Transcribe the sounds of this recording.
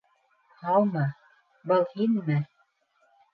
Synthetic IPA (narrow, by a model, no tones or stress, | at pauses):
hɑlˠmɤ | bɤlˠhinmɘ